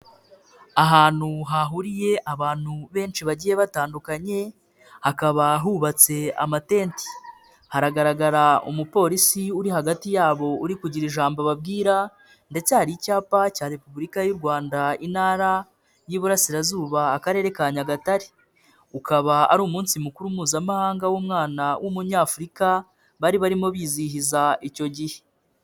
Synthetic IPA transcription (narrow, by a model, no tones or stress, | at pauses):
aɦaːn̥huɦaɦuɾije̞ʔaβaːn̥huβe̞ːnt͡ʃiβaɟije̞βataːndukaɲe̞ | hakaβaɦuβat͡se̞a̰mate̞ːnti̥ | haɾaɡaɾaɡaɾaṵmupo̞ːɾisiuɾihaɡatijaːβo̞uɾikuɟiɾiʒaːmboβab̚ɡiːɾa | nde̞t͡sehaɾicaːpacaːɾe̞puβuɾikajuɾɡwaːndainaɾa | jiβuɾasiɾazuːβaːkaɾe̞ːɾe̞kaɲaɡataɾi̥ | ukaβaa̰ɾuːmuːnsimukuɾumuːzamahaːŋɡawuːmŋaːnawʔumuɲaːfuɾika | βaɾiβaɾimo̞βiːzihizaico̞ɟihe̞̥